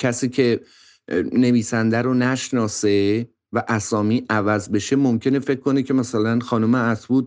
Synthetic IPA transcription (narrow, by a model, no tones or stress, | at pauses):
cʰæsiːcʰe̞ | ne̞viːsænd̪æɾonæʃnɒːse | væʔæsɒːmiːʔævæzbe̞ʃe̞mo̞mcʰe̞ne̞fe̞kkːo̞necʰe̞mæsælænxɒːnomeæt̪buːd̪̚